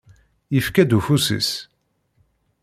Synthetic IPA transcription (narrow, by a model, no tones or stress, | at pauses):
jəfkæd̪ufusḭs